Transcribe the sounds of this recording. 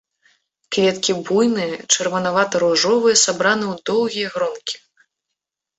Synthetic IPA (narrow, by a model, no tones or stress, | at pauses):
kvʲɛt̪kʲibujnɨjɐt͡ʂɐrvɐnavat̪ɐɾuʐɔvɨjɛsabɾanɨwd̪ɔwɣʲijɐɣɾɔnkʲi̥